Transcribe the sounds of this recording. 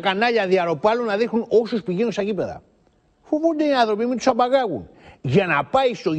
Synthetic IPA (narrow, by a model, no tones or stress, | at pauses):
kanɐʎɐðiɐɾo̞pɐlunːɐðixnuno̞suspiʝenusɐʝipe̞ðɐ̰ | fovund̪eiɐnðɾo̞pimit̪u̥sɐbaɣɐɣṵn | ʝɐnɐpɐjst̪o̞